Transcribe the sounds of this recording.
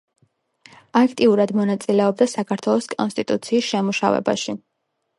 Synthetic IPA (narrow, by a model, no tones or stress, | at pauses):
akʰt̪ʼiuɾad̪mɔnat̪sʼilɛɔb̚d̪asakʰaɾt̪ʰwɛlˠɔskʼɔnst̪ʼit̪ʼut̪sʰiːsʃɛmuʃa̰vɛ̰ba̰ʃi